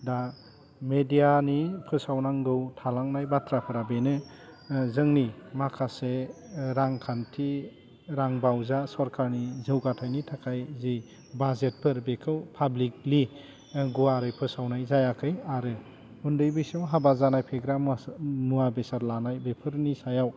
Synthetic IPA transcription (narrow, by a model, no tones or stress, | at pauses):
da | medijanipʰɯsawnaŋɡɯwtʰalaŋnajbatʰɾapʰɯɾabenɯ | zɯŋnimakʰaseɾaŋkʰantʰi | ɾaŋbawzasɔɾkʰaɾnizɯwɡatʰajnitʰakʰajzij | bazet̚pʰɯɾbekʰɯwpʰablik̚li | ɡuwaɾɯjpʰɯsawnajzajakʰɯjaɾɯ | undɯjbɯjsɔwɦabazanajpʰeɡɾammuabesaɾlanajbepʰɯɾnisajaw